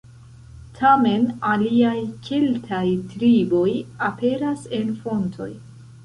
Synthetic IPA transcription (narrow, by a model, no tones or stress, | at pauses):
tʰame̞naliajkʰe̞ltʰajtɾibo̞jape̞ɾase̞nfo̞ntʰo̞̰j